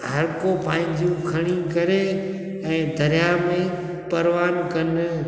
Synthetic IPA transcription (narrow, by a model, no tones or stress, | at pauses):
ɦɐɾkopãːɦɪ̃ɲd͡ʑjũkʰɐɽ̃ĩkɐɾe | ɛ̃ːd̪ɐɾɪjamẽ | pɐɾʋaːnkɐn